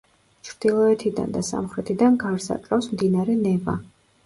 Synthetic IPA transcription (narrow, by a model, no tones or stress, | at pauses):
t͡ʃʰɾd̪̥ilˠɔɛt̪ʰid̪a̰nd̪asa̰mχɾɛt̪ʰid̪anɡaɾsa̰kʼɾafsmd̪inaɾɛnɛva̰